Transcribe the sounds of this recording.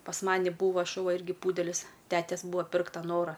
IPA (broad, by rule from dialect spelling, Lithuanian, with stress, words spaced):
pɐs ˈmɑːnʲɪ ˈbuːʋoː ʃʊˈʋɐ ˈɪrʲɡʲɪ ˈpuːdʲɛlʲɪs ˈtʲæːtʲɛs ˈbuːɐ ˈpʲɪrktɐ ˈnoːrɐ